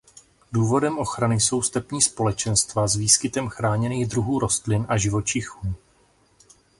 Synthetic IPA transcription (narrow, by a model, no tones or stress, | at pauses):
duːvo̞dɛmʔo̞xɾanɪso̞wst̪ɛpɲiːspo̞lɛt͡ʃɛnst̪vazviːskɪt̪ɛmxɾaːɲɛniːɣd̪ɾuɦuːɾo̞st̪lɪnʔaʒɪvo̞t͡ʃɪxuː